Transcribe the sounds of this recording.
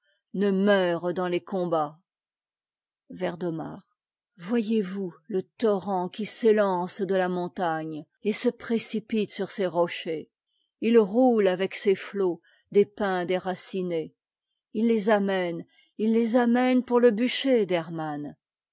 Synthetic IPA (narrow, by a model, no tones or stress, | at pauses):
nəmœʁd̪ɑ̃lekɔ̃ba | vɛʁd̪ɔma̰ːʁ | vwajevulət̪ɔʁɑ̃kʲiselɑ̃sd̪əlamɔ̃t̪aɲ | esəpχesipit̪syʁseʁɔʃe | ilʁulavɛkseflo | d̪epɛ̃d̪eʁasine | ilːezamɛn | ilːezamɛnpuʁləbyʃed̪ɛʁman